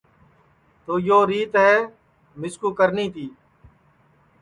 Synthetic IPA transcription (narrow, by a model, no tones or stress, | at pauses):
t̪oːjoːɾiːt̪ɦɛː | mɪskuːkəɾniːt̪iː